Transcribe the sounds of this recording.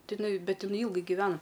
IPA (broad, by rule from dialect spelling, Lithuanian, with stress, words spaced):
ˈtɐɪ ɪˈnɐɪ ˈbʲɛt ɪˈnɐɪ ˈiːlˠɡɐɪ ɡʲɪˈʋʲæːnɐ